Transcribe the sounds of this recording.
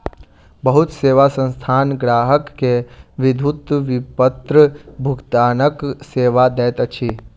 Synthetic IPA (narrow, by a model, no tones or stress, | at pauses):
bəɦʊt̪seːʋasə̃nst̪ʰaːnɡɾaːɦəkːeʋɪd̪ʱut̪ʋɪpət̪ɾəbʱʊɡt̪aːnəkseːʋad̪ɛːt̪ət͡ʃʰi